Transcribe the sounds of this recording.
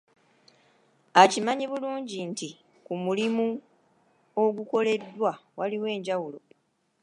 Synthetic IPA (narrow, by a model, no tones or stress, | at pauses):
acimaɲiβuluːɲɟinti | kumulimu | o̞ɡuko̞le̞dːwawaliwe̞ːɲɟawulo̞